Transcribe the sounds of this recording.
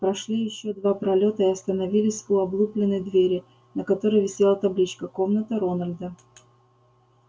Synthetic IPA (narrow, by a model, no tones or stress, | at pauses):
pɾɐʂlʲijɪɕːo̞d̪vapɾɐlʲo̞t̪əɪɐst̪ənɐvʲilʲɪsʲʊɐblˠuplʲɪnːəjd̪vʲeɾʲɪ | nəkɐt̪o̞ɾəjvʲɪsʲelˠət̪ɐblʲit͡ɕkəko̞mnət̪ɨɾo̞nəlʲd̪ə